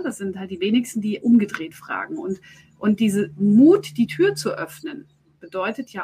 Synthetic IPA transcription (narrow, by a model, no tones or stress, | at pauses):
d̥asz̥ɪnthalt̚d̥iːveːnɪçstn̩diːʔʊmɡədʁeːtfʁ̥a̰ːɡŋ̩ʊnt | ʔʊnt̚d̥iːzəmuːtd̥iːtʰyːɐt͡suʔœfnən | b̥ədɔʏtətʰjaː